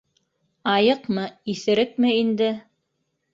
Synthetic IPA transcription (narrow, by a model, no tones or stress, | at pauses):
ɑjɤqmɤiθɘ̆ɾɘk̚mɘind̪ɘ